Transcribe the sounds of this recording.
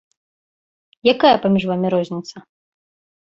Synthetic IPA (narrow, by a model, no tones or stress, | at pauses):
jakajɐpamʲiʐvamʲiɾɔzʲnʲit̪sɐ